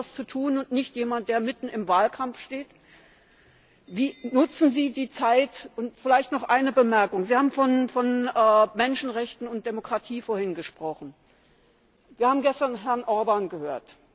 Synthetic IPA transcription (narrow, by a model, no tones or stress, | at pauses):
ast͡sutʰuːnʊntnɪçtjeːmant̚d̥eːɐmɪtn̩ɪmvaːlkʰamfʃteːt | viːnʊt͡sn̩ziːdiːt͡saɪtʔʊntfɪlaɪçtnɔχʔaɪnəbəmɛɐkʊŋziːhaːbm̩fɔnfɔnɛːmɛnʃn̩ʁɛçtn̩ʊnt̚d̥emokʁ̥atʰiːfoːɐhɪnɡəʃpʁ̥ɔχn̩ | viːɐhaːbm̩ɡɛstɐnɦɛɐnʔɔɐbaːnɡəhøːɐt